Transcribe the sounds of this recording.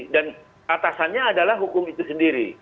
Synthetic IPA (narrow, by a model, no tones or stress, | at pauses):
dan | at̪asanɲaːdalahɦukʊmit̪usəndiɾi